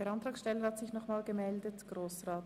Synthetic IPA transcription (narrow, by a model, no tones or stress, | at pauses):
əɾɑnt̪ʁɑːksʃtɛlːəhɑtz̥ɪçnɔχmaːlɡəmɛldətɡ̥ʁoːsʁɑːt